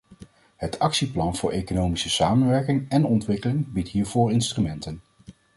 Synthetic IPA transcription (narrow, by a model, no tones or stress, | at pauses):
ɦətʰɑksiplɑnv̥ʊːɹʔejkonowmisəsaːmənʋɛɹkɪŋɛnɔntʋɪkəlɪŋbitɦiːɹvoːɹɪnstrymɛntən